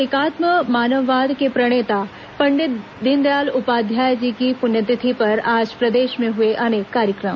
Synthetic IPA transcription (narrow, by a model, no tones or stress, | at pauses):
eːkaːt̪məmaːnəʋːaːd̪kepɾɐɽ̃eːt̪a | pɐ̃ɳɖɪt̪ | d̪ɪnd̪jaːlʊpaːd̪ʱjaːjd͡ʒiːkipʊnjət̪ɪt̪ʰipɐɾaːd͡ʒpɾɐd̪eːʃmẽɦʊeʔɐneːkːaːɾjəkɾəm